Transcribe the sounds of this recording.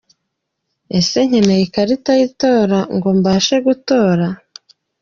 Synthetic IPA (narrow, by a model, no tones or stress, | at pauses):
e̞se̞ɲ̥enejikaɾitajito̞ːɾaŋɡo̞mbaʃe̞ɡuto̞ːɾa